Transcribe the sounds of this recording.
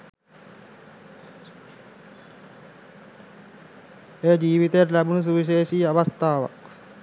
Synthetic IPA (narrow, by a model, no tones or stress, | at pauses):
ejd͡ʒiːʋit̪eeɾlæbunus̬uʋiʃ̬eːʃiːaʋast̪aːʋa̰k